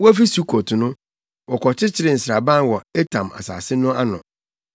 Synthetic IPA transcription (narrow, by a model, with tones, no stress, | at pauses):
wɔ˦æ˦fi˦su˦kʰo˨tʰʊ˨nʊ̃˦ | wɔ˨kʰɔ˨t͡ɕʰɪ˦t͡ɕʰɪ˨ɾɪ˨n̩˨sɾa˨bã˦n˨wɔ˨e˦tʰã˨ma̰˨sa̰ː˨sɪ˦nʊ̃˦a˦nʊ̰̃˨